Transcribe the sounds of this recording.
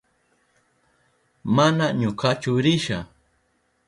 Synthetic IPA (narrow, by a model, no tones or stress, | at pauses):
manaɲʊkat͡ʃʊɾɪʃa